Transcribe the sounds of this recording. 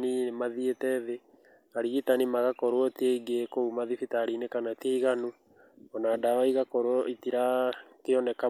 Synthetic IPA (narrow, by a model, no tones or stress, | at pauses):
nimaðietɛðe | aɾiɣitanimaɣakɔɾwɔteiɡekoumaðifitaɾinekanateiɣanu | ɔnaːdaaiɣakɔɾoɔitiɾakeɔnɛka